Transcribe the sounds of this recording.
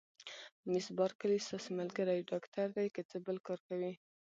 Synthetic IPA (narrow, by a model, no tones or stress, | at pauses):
mɪsbɑɾkəlist̪ɑsimalɡəɾajɖɑkt̪aɾd̪ajkət͡səbəlkɑɾkawi